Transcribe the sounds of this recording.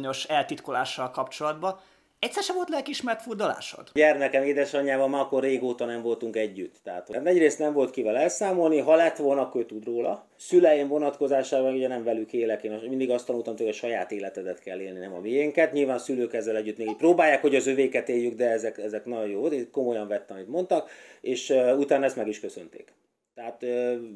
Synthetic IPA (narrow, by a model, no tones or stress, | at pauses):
ɲo̞ʃɛlt̪it̪kolaːʃːɒlkɒpt͡ʃo̞lɒd̪bɒ | ɛcʲsːɛrʃɛvo̞lt̪lɛlkiʃmɛrt̪furd̪ɒla̰ːʃo̰d̪ɟɛrmɛkɛmeːd̪ɛʃɒɲːaːvɒmmaːɒkːorːeːɡoːt̪ɒnɛɱvo̞lt̪uŋkɛɟːyt̪ːɛɦaːt̪hoɛɟreːst̪nɛɱvo̞lt̪kivɛlɛlsaːmo̞lniɦɒlɛt̪ʋo̞lnɒkːøːt̪ud̪roːlɒ | sylɛjeɱvo̞nɒt̪ko̞zaːʃaːbɒnuɟɛnɛɱvɛlykeːlɛkeːnmind̪iɡɒst̪ɒnuːlt̪ɒmt̪ukɔʃɒjaːt̪eːlɛt̪ɛd̪ɛt̪kɛlːeːlninɛmɒ̰mijɛŋkɛt̪ɲilvaːnsyløːkɛzːɛlɛɟːyt̪nekiproːbaːjːaːkho̞ɟɒzøveːkɛt̪eːjːyɡd̪ɛɛzɛkɛzɛknɒɟojoːvolt̪eko̞mo̞jɒɱvɛt̪ːɛɒmit̪mo̞nt̪ɒkeːʃøut̪aːnɒɛst̪mɛɡiʃkøsø̞̰nt̪ḛːk | t̪ɛɦaːt̪ø